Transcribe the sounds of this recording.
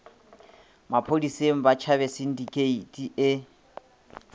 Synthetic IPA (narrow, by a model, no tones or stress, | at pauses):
mapʰodiseŋ̩bat͡ʃʰaβɛsin̩dikʰʼeitʼiʔɪ